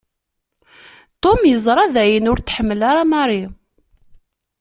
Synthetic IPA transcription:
t̪ˤomjəzˤɾˤɑðæjənʊɾt̪ħəmːəlaɾamɑɾˤi

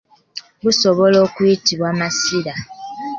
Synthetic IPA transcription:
βusoβoloːkwitiβwaːmasiɾa

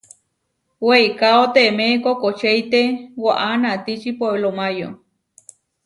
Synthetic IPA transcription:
weikaot̪emekokot͡ʃeit̪ewaʔanat̪it͡ʃipoelomajo̰

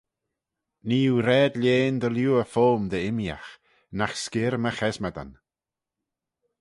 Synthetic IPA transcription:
niːuɾɛːd̪lʲjeːnd̪əljuːəfoːmd̪əɪmja̰x | naxskɪɾməxɛzmad̪a̰n

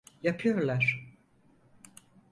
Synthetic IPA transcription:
japʰɯjoɾlˠaɾ̥

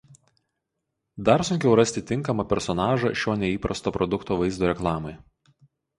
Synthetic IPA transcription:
d̪ɐɾsʊŋʲkʲɛʊɾɐsʲt̪ʲɪt̪ʲɪŋˑkɐmɐpʲɛɾsɔnɑːʒɐ̰ʃʲoːnʲɛiːpɾɐst̪oːpɾʔɔd̪ʊkt̪oːʋɐɪzd̪oːɾʲɛklˠɑːmɐɪ

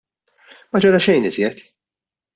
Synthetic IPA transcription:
mɐd͡ʒɔɾɐʃɛjnɪzjɛt̪

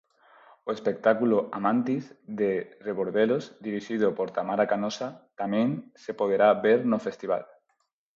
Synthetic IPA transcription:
oespek̚t̪akuloamãnt̪izðereβoɾðelozd̪iɾiʃiðopoɾt̪amaɾakanosat̪amẽŋsepoð̞eɾaβeɾnofest̪iβa̰l

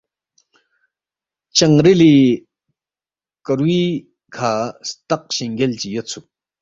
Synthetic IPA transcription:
t͡ɕaŋreli | kərwi | kʰast̪aq̚ɕeŋɡelt͡ɕəjət͡sʰok̚

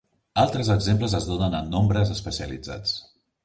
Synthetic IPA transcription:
alˠt̪ɾəzəɡzempləzəzðonənənːombɾəzəspəsiəlid͡za̰t͡s

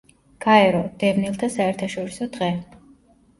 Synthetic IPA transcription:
ɡ̥aɛɾɔd̪̥ɛvnilˠt̪ʰasaɛɾt̪ʰaʃɔɾisɔd̪ʁɛ

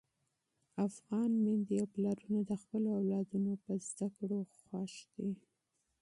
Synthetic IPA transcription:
afɣɑnmɪnd̪ijawplaɾunad̪əxpəloawlɑd̪unopəzd̪̥akɽoxwaʃd̪e

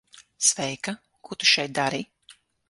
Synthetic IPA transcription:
svɛjka | kut̪u̥ʃɛjt̪̚d̪aɾi

